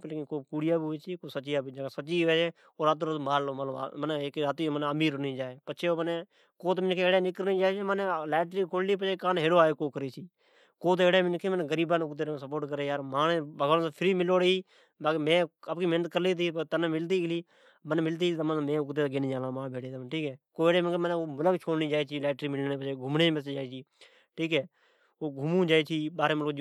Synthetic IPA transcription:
pəlːkːkoːkuːɽɪjaːbeːsiːkoːsət͡ʃɪjaːbid͡ʒsət͡ʃiːʋeːt͡ʃeː | oːɾaːt̪̬ːɾt̪ːmaːloːmət̪lə̰mənekɾaːt̪iːmənəmiːɾənĩːd͡ʒaːeːpət͡ʃʰeːoːməne | koːt̪mɪnkʰeːeːɽeːnɪkəɾnĩːd͡ʒaːt͡ʃemənːlɛːʈɾiːkʰoːlliːp̬ət͡ʃʰeːkaːnɦeːɽoːaːeːkoːkəɾeːsiː | koːt̪eːɽeːmɪnkʰeːməneːɡəɾiːbaːnʊkd̪eːɾsəp̬oːʈk̬əɾeːjaːɾmaːnebʱəɡʋaːnːsːpʰɪɾiːmɪloːɽeiː | bamẽːəpkiːmeːnət̪̚kəɾliːt̪ʰiːt̪ənːmɪlt̪̬iːkliː | mənmɪlt̪̬iːt̪ːmənmẽːʊkt̪̬eːɡeːnĩːd͡ʒaːlãːmãːbeːɽʰeːt̪ːʈʰiːkɛːkoːeːɽeːmɪnkeməneomələkt͡ʃʰoːɽniːd͡ʒaːiːt͡ʃʰiːlɛːʈɾiːmɪlneːpət͡ʃeːɡʱʊmneməsed͡ʒaːeːt͡ʃʰiː | ʈʰiːkɛː | oːɡʱʊmũːd͡ʒaːt͡ʃʰiːbaːɾeːməlkd͡ʒ

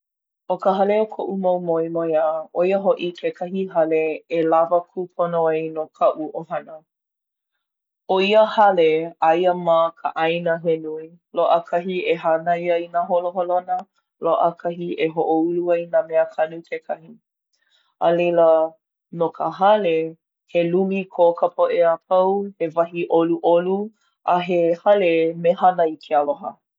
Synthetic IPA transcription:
ʔokəɦɐleokʰoʔumowmoimojaoiəɦoʔikʰekʰɐhiɦɐleelavəkʰupʰonoajnokʰɐʔuʔoɦɐnə | oiəhɐleajəmakʰə̰ʔajnəɦenui | loʔəkʰɐɦieɦanajəinaɦoloɦolonə | loʔəkʰɐɦiʔeɦoʔouluainameəkʰɐnukʰekʰɐhi | ʔəlejlə | nokʰəɦɐle | helumikʰokʰəpʰoʔeapʰɐwhevɐɦiʔoluʔolu | ʔaɦehɐlemehanɐikʰeəloɦə̰

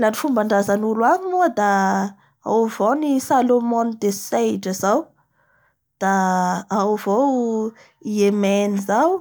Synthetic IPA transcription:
lanifumbaɳɖ͡ʐazanulwaɲuəd̪a | a̰wvownisalomɔnid̪esejʈ͡ʂəzaw | d̪̥aawvow | iemenizaw

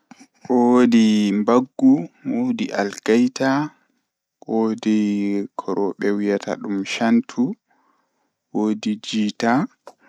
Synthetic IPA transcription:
ʔoodimbaɡːuwodiʔalkajta | ʔodikʰɔɾɔɓɛwijatʰa̰ɗumʃantʰu | wodid͡ʒiːta

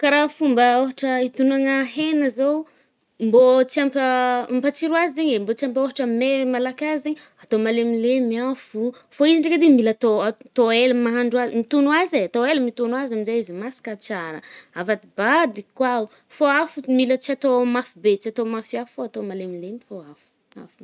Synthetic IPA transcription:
kaɾafumbəoɦaʈ͡ʂəit̪unaŋaɦenəzow | mbot͡siampəmpat͡siɾuazizeɲembot͡siampoɦaʈ͡ʂəmemalakazeɲ | at̪omalemilemiafufoiziɳɖ͡ʐeked̪emilat̪oat̪oelmaɦaɳɖ͡ʐuazimit̪unuazeat̪oelmit̪unwazamizajizimasi̥kat͡saɾə̰avad̪ibad̪ikwau | foafumilət͡siat̪omafibet͡siat̪omafiafufoat̪omalemilemifoafu̥ | a̰fu

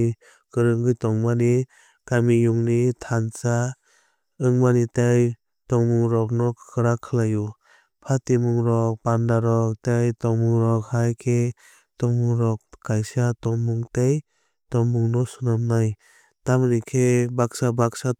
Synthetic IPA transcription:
kɯɾɯŋɡɯjtɔŋmani | kamijuŋnitʰansa | ɯŋmanitaj | tɔŋmuŋɾɔk̚nɔɯɾakʰɯlaju | pʰatimuŋɾɔk̚pandaɾɔk̚tajtɔŋmuŋɾɔkhajkʰe | tɔŋmuŋɾɔk̚kːajsatɔŋbuŋtej | tɔŋbuŋnɔsunamnaj | tamɾikʰebak̚sabak̚sa

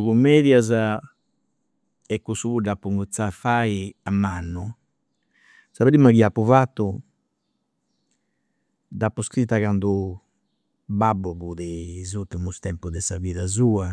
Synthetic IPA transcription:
kumːɛðjaza | ɛkːusuβuɖapːuŋɡut̪safaiamːanːu | saβeɾimːakiapːuvat̪ːu | d̪apːuskɾit̪ːakand̪u | babːuβuðɛzut̪ːumust̪ɛmpud̪ɛsaviðazuːa

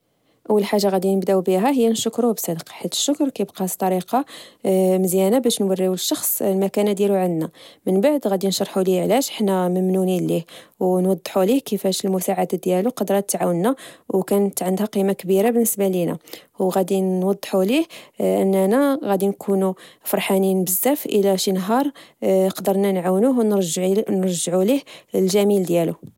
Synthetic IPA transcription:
ʔəwːəlħaʒːaɣæd̪inəbd̪æwbiɦæɦəjːænʃʊkɾubsˤɑd̪qɑ̥ħit̪ə̥ʃːʊkɾˤkæjəbqɑt̪ˤːɑɾiqɑ | məzjænabæʃnwərːiwəʃːɑxsˤlmækænæd̪jæluʕənd̪næmənbaʕd̪ɣæd̪inʃɑɾˤħuliʕlæʃəħnæməmnunilihwnwɑd̪ˤːħulihkəfæʃəlmusaʕad̪ad̪jæluqɑd̪ɾˤɑt̪ːʕawənːæwkænət̪ːʕənd̪hæqimakbiɾabənːəsbalinæ̰wɣæd̪inwɑd̪ˤːħulihʔə̰nːænæɣæd̪inkʰunufɑɾˤħaninbəzːæfʔəlæʃinɦɑɾˤəqd̪əɾˤnænʕawnuɦwnnɾʒʕulihlʒæmild̪jælu

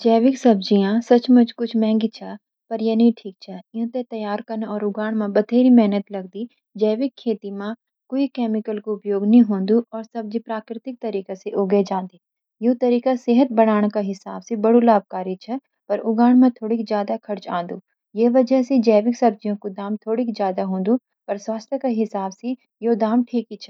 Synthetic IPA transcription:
d͡ʒɛːʋɪksɐbd͡ʒijãsɐt͡ʃmɐt͡ʃkʊt͡ʃʰmɛ̃ːŋɡit͡ʃʰa | pɐɾjɐnɐĩʈʰiːk̚t͡ʃʰaɪ̃ɦt̪et̪ɐjaːɾkɐnɔːɾʊɡaːɽ̃mãbɐd̪ʱeːɾimɛɦnət̪lɐɡ̚d̪i | d͡ʒɛːʋɪkʰːeːt̪imã | koːikɛːmɪkəlkoʊpjoːɡnɐɦĩɦõːnd̪uʔɔːɾsɐb̚d͡ʒipɾaːkɾɪt̪ɪk̚t̪ɐɾiːkaseʔoːɡəd͡ʒãːnd̪iː | jot̪ɐɾiːkaseɦət̪̚bɐɽ̃aːɽ̃kaɦɪsaːbsebɐɽulaːb̚kaːɾit͡ʃʰɛ | pɐɾʊɡaːɽ̃mãt̪ʰoːɽikid͡ʒjaːd̪akʰɐɾt͡ʃãːnd̪uː | jeʋɐd͡ʒəɦsed͡ʒɛːʋɪksɐb̚d͡ʒijõkod̪aːmt̪ʰoːɽikid͡ʒjaːd̪aɦõːnd̪u | pɐɾswaːst̪ʰjəkaɦɪsaːbse | jod̪aːmʈʰiːkit͡ʃʰɛ

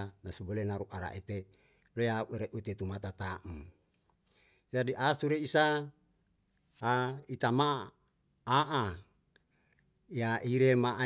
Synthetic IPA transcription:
nasubolenaɾuʔaɾa̰ʔet̪e | lojauʔeɾeʔut̪et̪umat̪at̪aʔum | d͡ʒadiʔasuɾeisa | ait̪amaː | ʔa | jaʔiɾemaʔa

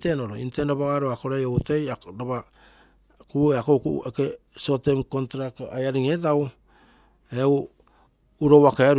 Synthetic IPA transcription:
tenoɾo̰ḭntendaβaɡaɾoakoɾajoutejaɾaβa | kueakokuʔekeso̞temkontɾakajaɾiŋetaw | ew | uɾowakeaɾ

